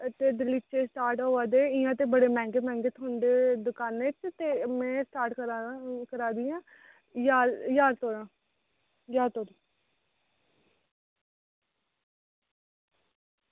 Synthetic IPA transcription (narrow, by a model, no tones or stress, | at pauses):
t̪eːd̪ɪliːt͡ʃeːsʈaːɾʈoːʋaːd̪eːɪːãːt̪eːbəɽeːmɛ̃ːŋɡeːmɛ̃ːŋɡeːt̪ʰaːɳɖeːd̪ʊkaːnet͡ʃt̪eːmɛ̃ːsʈaːɾʈkəɾakəɾaːd̪iːãː | jaːjaːɾt̪oːɾãː | jaːɾt̪oːɾi